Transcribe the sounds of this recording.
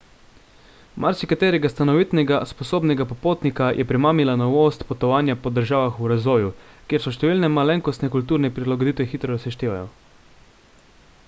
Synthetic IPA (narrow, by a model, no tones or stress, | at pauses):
mʔa̰ɾsikat̪ɛːɾɛɡast̪anɔʋit̪nɛɡaspɔsoːbnɛɡapɔpoːt̪nikajʔɛpɾɛmaːmilanɔʋost̪pɔt̪ɔʋaːnjapɔd̪əɾʒaːʋaxuɾazʋɔːjukjeːɾsɔʃt̪ɛʋilnɛmalɛŋkɔst̪nɛkult̪uːɾnɛpɾilaɡod̪it̪ʋɛxit̪ɾɔɾɔsɛʃt̪eːʋa̰jɔ̰